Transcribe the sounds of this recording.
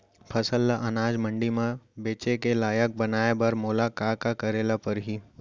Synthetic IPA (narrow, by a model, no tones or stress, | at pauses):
pʰɐsəlːaʔɐnaːd͡ʒmə̃ɳɖimãbeːt͡ʃekelaːjək̚bɐnaːebɐɾmoːlakaːkakɐɾeːlapɐɾɦiː